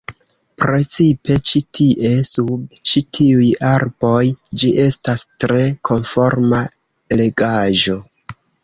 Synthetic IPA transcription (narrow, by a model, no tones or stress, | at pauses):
pɾe̞t͡sipe̞t͡ʃitʰiʔe̞sub̚t͡ʃitʰiujaɾbo̞jd͡ʒiʔe̞stastɾe̞kʰo̞nfo̞ɾma | le̞ɡaʒo̞